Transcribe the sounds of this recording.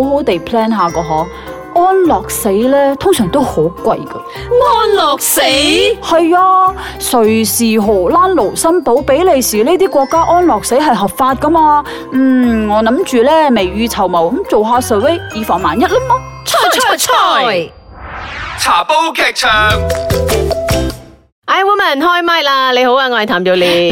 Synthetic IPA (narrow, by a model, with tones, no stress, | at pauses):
o˨˥who˨˥wt̪e˨˩jpʰlɛː˥nɦaː˨˧kɔː˧ɦɔː˨˥ | ɔː˥nlɔː˨˩k̚se˨˥jlɛː˥t̪ʰʊ˥ŋsœː˨˩ŋt̪o˥who˨˥wkʷɐ˧jkɐ˧ | ɔː˥nlɔː˨k̚se˨˥jhɐ˨jɔː˧ | sɵ˨˩ɥsiː˨ɦo˨˩laː˥nlo˨˩wsɐ˥mpo˨˥wpe˨˥jle˨˧jsiː˨˩leː˥t̪iː˥kʷɔː˧kːaː˥ʔɔː˥nlɔː˨k̚se˨˥jɦɐ˨jɦɐ˨p̚faː˧t̚kɐ˥maː˧ | m̩ː˨˩ŋɔː˨˧nɐ˨˥mt͡ʃyː˨lɛː˥me˨˩jɥyː˧t͡sʰɐ˨˩wmɐ˨˩wmt͡so˨wɦaː˧sɐ˨˥we˥jiː˨˧fɔː˨˩ŋmaː˨˩njɐ˥t̚lɐ˥mɔː˥t͡ʃʰɔ˧˥˧ɔ˧ɔ˧ | t͡sʰaː˨˩po˥wkʰɛː˨k̚t͡ʃʰœː˨˩ŋ | ʔa˨˧˩wɔː˧˥mɐ˨˩nhɔː˥jmaː˥jlaː˧le˨˧jho˨˥waː˧ŋɔ˧˨t̪ʰaː˨˩mjo˨˧wliː˨˧